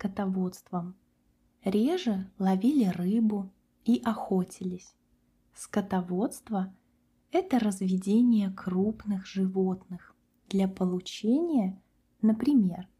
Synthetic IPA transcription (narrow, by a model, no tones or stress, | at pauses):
skət̪ɐvo̞t̪st̪vəm | ɾʲeʐɨlˠɐvʲilʲɪrɨbʊ | iʔɐxo̞tʲɪlʲɪsʲ | skət̪ɐvo̞t̪st̪və | ɛt̪əɾəzvʲɪdʲenʲɪjəkrupnɨxʐɨvo̞t̪nɨx | d̪̥lʲapəlˠʊt͡ɕenʲɪjə | nəpɾʲɪmʲe̞r